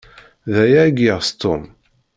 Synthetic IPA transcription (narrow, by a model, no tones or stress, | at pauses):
ðæjæɡiʁst̪ʊm